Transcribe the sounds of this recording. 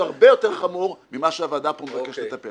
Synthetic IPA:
aʁbejo̞t̪eʁχamuʁmimaʃeavad̪apomevakeʃlet̪ape

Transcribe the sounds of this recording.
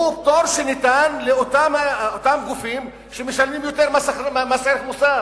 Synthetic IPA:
ut̪oɾʃenit̪anleot̪amot̪amɡufim | ʃemeʃalmimjot̪eʁmasaamaseɾeχmusa

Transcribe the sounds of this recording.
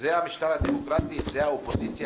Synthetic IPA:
zeamiʃt̪aɾad̪emokɾat̪iːzɛjaopozit̪si

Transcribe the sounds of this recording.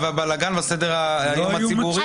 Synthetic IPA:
vabalaɡanbasedeʁaajomhasibuʁi

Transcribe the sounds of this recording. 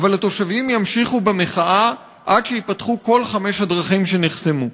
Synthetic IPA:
valhat̪o̞ʃavimjamʃiχubemeχaʔa | ʔadʃejipatχuko̞lχame̞ʃhad̪ʁaχimʃe̞neχsemu

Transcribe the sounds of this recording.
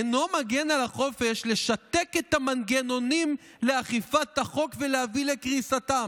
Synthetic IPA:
eno̞maɡenalaχo̞fe̞ʃle̞ʃat̪e̞ket̪amanɡeno̞nim | leaχifat̪aχo̞kvelehavilekʁisat̪am

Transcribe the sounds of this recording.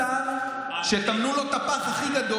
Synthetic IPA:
a | ʃet̪amnulo̞t̪apaχaχiɡad̪o

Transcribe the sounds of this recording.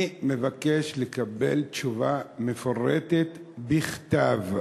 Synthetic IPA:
me̞vakeʃlekabḛlt͡ʃuvamefoʁet̪et̪biχtav

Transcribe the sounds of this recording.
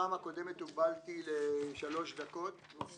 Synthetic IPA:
aːmhako̞d̪emet̪ubalt̪ileʃalo̞ʃd̪ako̞t̪

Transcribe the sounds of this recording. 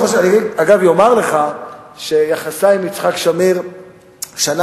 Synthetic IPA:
oʃaniaɡavjo̞maʁleχaʃejaχasaimit͡sχakʃamiʁ | ʃana

